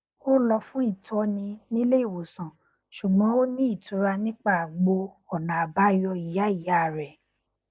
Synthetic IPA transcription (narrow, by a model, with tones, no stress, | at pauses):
o˦lɔ˧fũ˦i˦˨tɔ˧nĩ˧nĩ˦le˦i˦˨wo˨sã˨ | ʃu˨ɡ͡bɔ̃˨˦o˦nĩ˦i˦˨tũ˨˦ɾa˧nĩ˦k͡pa˦˨ɡ͡bo˧ | ɔ˨nã˨a˨ba˨˦jɔ˧i˨ja˨˦i˦˨ja˦˨ɾɛ˨